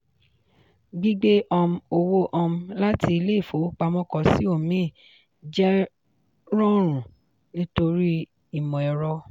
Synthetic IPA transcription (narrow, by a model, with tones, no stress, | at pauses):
ɡ͡bi˦ɡ͡be˦ʔɔ˧mũ˧˦o˧wo˦ʔɔ˧m̩̃˦la˦ti˧i˧le˦i˦˨fo˨˦k͡pa˧mɔ̃˧kɔ˨si˨˦o˦˨mĩ˦˨ | d͡ʒɛ˦ | ɾɔ˦ɾ̃ũ˨ | nĩ˦to˧ɾi˦ | i˦˨mɔ̃˨ɛ˨ɾɔ˧